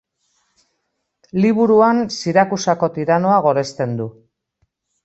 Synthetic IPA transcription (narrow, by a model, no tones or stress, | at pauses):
liβuɾuansiɾakusako̞t̪iɾano̞aɣ̞o̞ɾe̞st̪e̞nd̪u